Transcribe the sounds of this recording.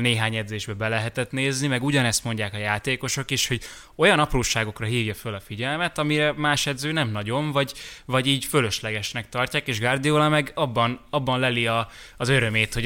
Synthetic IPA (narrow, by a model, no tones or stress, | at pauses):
neːɦaːɲɛd̪zeːʒbɛbɛlɛɦɛt̪ɛt̪neːznimɛɡuɟɒnɛst̪mo̞ɲɟaːkɒjaːt̪eːko̞ʃo̞keːʃho̞ɟ | o̞jɒnɒproːʃaːɡo̞krɒɦiːvjɒfølɒfiɟɛlmɛt̪ɒmiɾɛmaːʃɛd̪zøːnɛmnɒɟo̞ɱvɒɟvɒɟiːɟføløʃlɛɡɛʃnɛk̚t̪ɒrcaːkeːʒɡard̪ijoːlamɛɡɒbːɒnɒbːɒnlɛliɒːzøɾø̞meːt̪ho̞